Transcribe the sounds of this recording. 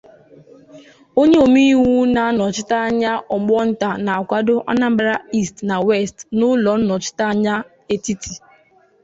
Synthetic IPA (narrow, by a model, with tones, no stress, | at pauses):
o˦ɲe˦o˨mi˦wu˦na˨˦nɔ˨t͡ʃɪ˦ta˦a˦ɲa˦ʔɔ˨ɡ͡bɔ˦n̩˦ta˨na˨a˨kʷa˦dʊ˦ʔa̰˦na˦m̩˦bɾa˦i˦stna˨we˦˨stnʊ˦lɔ˨n̩˦nɔ˨t͡ʃɪ̥˦ta˦a˦ɲa˦ | e˨ti˦tʰi˨